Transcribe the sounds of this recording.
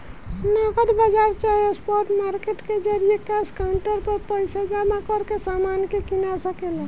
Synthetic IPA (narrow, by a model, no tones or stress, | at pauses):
nɔɡəd̪bad͡ʒaɾt͡ʃaɦespɔɾʈmaɾkeʈked͡ʒəɾiekaskaɳʈəɾpəɾpəjsad͡ʒamakəɾkesamankekinasəkela